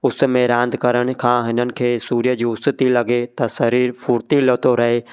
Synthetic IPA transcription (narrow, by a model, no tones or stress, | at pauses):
ʊs̆mẽɾãːnd̪kɐɾəɽ̃̆kʰãːɦɪnənɪ̆kʰeːsuːɾijəd͡ʑiːʊst̪ɪt̪ilɐɡet̪ɐsɐɾiːɾfʊːɾt̪ilot̪oɾɐɦe